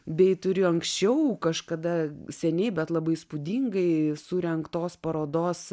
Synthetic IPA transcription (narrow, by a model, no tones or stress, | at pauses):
bʲɛɪt̪ʊɾʲɪɐŋksʲt͡ʃʲɛʊkɐʃkɐd̪ɐsʲɛnʲɛɪbʲɛt̪lˠɐbɐɪspʊd̪ʲiːŋɡɐɪsuɾʲɛŋkt̪oːspɐɾoːd̪oːs